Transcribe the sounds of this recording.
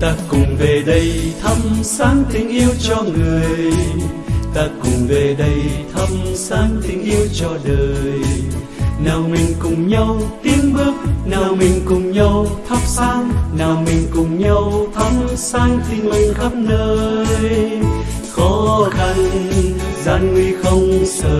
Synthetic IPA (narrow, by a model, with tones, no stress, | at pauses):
t̪aː˧kʊ˨˩ŋ͡mve˨˩ɗə˧jt̪ʰə˧msaː˨˦ŋt̪ï˧ŋ̟ʔi˧əwt͡ɕɔ˧ŋɨ˨˩əj | t̪aː˧kʊ˨˩ŋ͡mve˨˩ɗə˧jt̪ʰə˧msaː˨˦ŋt̪ï˧ŋ̟ʔi˧əwt͡ɕɔ˧ɗəː˨˩j | naː˨˩wmï˨˩ŋ̟kʊ˨˩ŋ͡mɲa˧wt̪i˧˥ənɓɨ˦˥ək̚naː˨˩wmï˨˩ŋ̟kʊ˨˩ŋ͡mɲa˧wt̪ʰa˦˥p̚saː˧ŋnaː˨˩wmï˨˩ŋ̟kʊ˨˩ŋ͡mɲa˧wt̪ʰə˧˦˥msaː˧ŋt̪ï˧ŋ̟mi˨˩ŋ̟xə˦˥p̚nəː˧j | xɔ˨˦xa˧n | zaː˧˩nŋwi˧xə˧wŋ͡msəː˧˨˩